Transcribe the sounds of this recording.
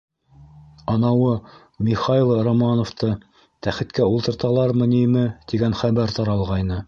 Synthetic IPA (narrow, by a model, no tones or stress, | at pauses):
ɑnɑwɤ | mʲiχɑilˠromɑnŏft̪ɤ | t̪æχɘ̆t̪kæulˠt̪ɤ̆ɾt̪ɑlˠɑɾmɤ̆nimɘt̪iɡænχæβæɾt̪ɑɾɑlˠʁɑjnɤ